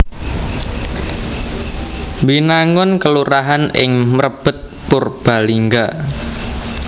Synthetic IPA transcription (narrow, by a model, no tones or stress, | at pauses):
binaŋʊnkəluɾaɦanɪ̰ŋməɾəb̥ə̤t̪̚pʊrb̥a̤liŋɡa